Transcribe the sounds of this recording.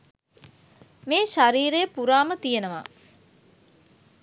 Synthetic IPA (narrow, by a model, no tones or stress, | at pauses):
meːʃaɾiːɾejːpuɾaːmət̪ijenəʋa̰